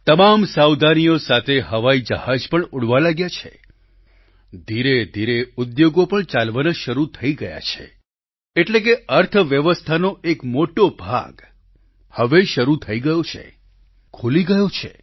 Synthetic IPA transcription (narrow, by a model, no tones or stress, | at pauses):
t̪əmamsawd̪ʱanijosat̪ʰeɦəʋaid͡ʒəhad͡ʒpəɳuɽʋalaɡjat͡ʃʰḛ | d̪ʱiɾed̪ʱiɾeʊd̪joɡopəɳt͡ʃalʋanaʃəɾut̪ʰəiɡəja̰t͡ʃʰḛ | eʈlek̬eəɾt̪ʰʋjəʋəst̪ʰanoekmoʈobʱa̰ɡ | həʋeʃəɾut̪ʰəiɡəjot͡ʃʰḛ | kʰoliɡəjot͡ʃʰḛ